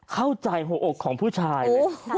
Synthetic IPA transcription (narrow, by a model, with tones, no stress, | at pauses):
kʰa˥˩wt͡ɕa˧jɦoː˧ʔo˨˩kʰːɔː˩˦ŋpʰuː˥˩t͡ɕʰaː˧j